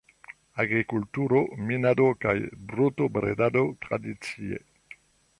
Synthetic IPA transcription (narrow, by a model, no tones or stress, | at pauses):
aɡɾikult̪uɾominad̪okajbɾut̪obɾḛd̪ad̪ot̪ɾa̰d̪it͡siḛ